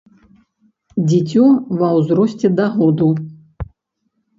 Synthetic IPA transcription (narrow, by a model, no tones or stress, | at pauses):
d͡zʲit͡sʲɔvɐwzɾɔsʲt͡sʲɛd̪aɦɔd̪u